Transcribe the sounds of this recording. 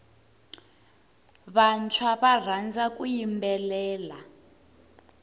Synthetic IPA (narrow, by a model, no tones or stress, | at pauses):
βant͡ʃʰwaβar̤and͡zak̬ʼujimbɛlɛːla